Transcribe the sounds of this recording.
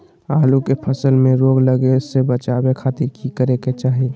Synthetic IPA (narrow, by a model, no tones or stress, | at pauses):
aːlukepʰəsəlmẽɾoːɡləɡesebət͡ʃaːwekʰaːt̪ɪɾkikəɾeket͡ʃaːɦe